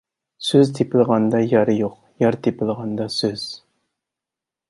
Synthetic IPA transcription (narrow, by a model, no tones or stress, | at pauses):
søzt̪ʰepʰɪlˠʁɑnd̪ɑjɑɾjoq | jɑɾt̪ʰepʰɪlˠʁɑnd̪ɑsøz̥